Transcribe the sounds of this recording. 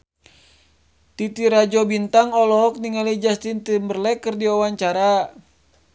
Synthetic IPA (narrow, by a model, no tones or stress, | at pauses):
t̪it̪iɾad͡ʒɔbint̪aŋɔlɔɦɔk̚niŋalid͡ʒast̪int̪imbərlɛkərdiawaɲt͡ʃaɾa